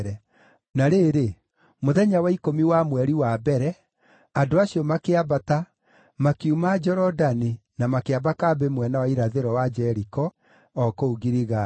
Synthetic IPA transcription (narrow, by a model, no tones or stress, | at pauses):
ɾɛ | naɾeɾe | moðɛɲawaikomiwamwɛɾiwabɛɾɛ | adoaɕiɔmakeabata | makeumad͡ʒɔɾɔdani | namakeabakabemwɛnawaiɾaðeɾɔwad͡ʒɛɾikɔː | kouɣiɾiɣa